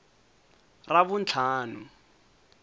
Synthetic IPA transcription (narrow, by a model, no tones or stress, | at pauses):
raβʊnt͡ɬʰaːnʊ